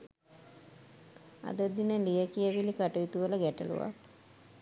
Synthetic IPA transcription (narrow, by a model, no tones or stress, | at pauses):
a̰d̪əd̪inəlijəkijəʋilikaʈujut̪uʋələɡæʈə̰lṵʋa̰k